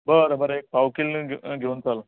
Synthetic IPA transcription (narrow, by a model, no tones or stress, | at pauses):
bəɾəbəɾek̚pawkilɡʱewnt͡sal